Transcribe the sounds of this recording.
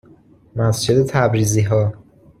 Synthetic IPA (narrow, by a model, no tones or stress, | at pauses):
mæsd͡ʒe̞d̪et̪ʰæbɾiːziːɦɒː